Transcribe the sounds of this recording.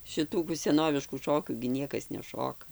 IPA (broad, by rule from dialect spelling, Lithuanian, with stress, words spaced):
ʃʲɪˈtuː kuː sʲɛˈnoːʋʲɪʃkuː ˈʃoːkʲuː ɡʲɪ ˈnʲiɛkɐs nʲɛˈʃoːkɐ